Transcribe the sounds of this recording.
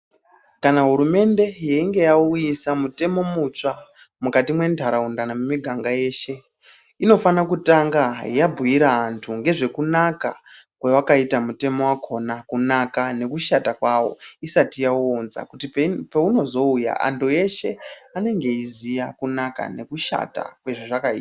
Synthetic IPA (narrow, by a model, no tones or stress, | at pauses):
kanaɦuɾume̞nde̞jeiŋɡe̞jaujisamute̞mo̞mut͡ʂa | mukatimwe̞ndʱaɾaundanamemiɡʱaŋɡaje̞ːʃe̞ | ino̞fanakutaŋɡajabʱujiɾaːntʰuŋɡe̞ʐe̞kunaka̰kwewakaitamute̞mo̞wakʰo̞nakunakane̞kuʃatakwawo̞̰isatijaonza̰kutipeuno̞zo̞uja̰ʔa̰ntʰuje̞ʃe̞ane̞ŋɡe̞izijakunaka̰ne̞kuʃa̰ta̰kwe̞ʐiʐakaḭːta